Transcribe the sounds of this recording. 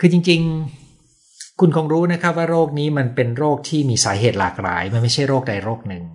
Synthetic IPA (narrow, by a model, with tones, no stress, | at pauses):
kʰɯː˧t͡ɕi˧ŋt͡ɕi˧ŋ | kʰu˧nkʰoː˧ŋɾuː˦˥na˦˥kʰa˦˥p̚waː˥˩ɾoː˥˩k̚niː˦˥ma˧npe˧nɾoː˥˩k̚t̪ʰiː˥˩miː˧saː˩˦ɦeː˨˩t̪̚laː˨˩k̚la̰ː˩˦jma˧nma˥˩jt͡ɕʰa˥˩jɾoː˥˩k̚da˧jɾoː˥˩k̚nɯ˨˩ŋ